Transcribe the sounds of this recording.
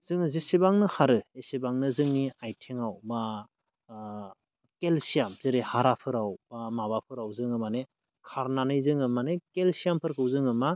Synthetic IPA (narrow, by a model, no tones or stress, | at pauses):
zɯŋzesibaŋnɯhaɾɯesibaŋnɯzɯŋniajtʰeŋawma | kelsijamzɯɾehaɾapʰɯɾawbamaβapʰɯɾawzɯŋɯmane | kʰaɾnanɯjzɯŋɯmanekelsijampʰɯɾkʰɯwzɯŋɯma